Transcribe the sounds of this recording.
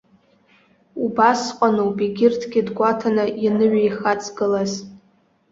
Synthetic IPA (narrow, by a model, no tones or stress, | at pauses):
ubasqʷʼanuwbiɡʲɪrtʰɡʲɪdɡʷatʰanɨinɨɥajχat͡sʰʼɡɨlaz